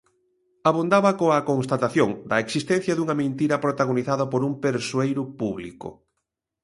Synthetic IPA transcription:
aβund̪aβɐkoɐkonst̪at̪aθjoŋd̪ɐeksist̪ɛn̟θjɐðuŋɐmẽnt̪iɾɐpɾot̪aɣoniθaðɐpoɾumpeɾsuejɾʊpuβlikʊ̰

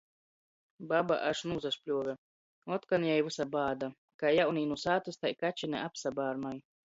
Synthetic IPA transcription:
baba̰ʔaʃnuːzaspʲlʲuɔvʲɛ | ɔt̪kanjajvusabaːd̪a | kajawniːnusaːt̪ust̪ajkat͡ʃinɛ̰ʔapsabaːɾmaj

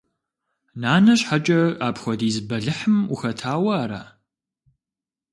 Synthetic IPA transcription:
naːnɐɕħat͡ʃʼɐaːpxʷɔdiːzbɐɮɨħɨmuxɐtʰaːwɐaːɾa̰ː

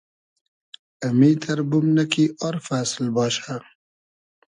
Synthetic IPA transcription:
ɐmiːt̪ʰɐɾbʊmnɐkiːʔɔɾfaːsɪlbɑːʃa

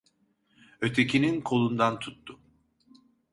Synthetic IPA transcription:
ø̞t̪ʰe̞cʰininkʰo̞lˠund̪ant̪ʰut̪ːʊ

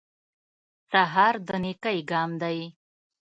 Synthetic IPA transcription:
saɦɑɾd̪ənekajɡɑmd̪aj

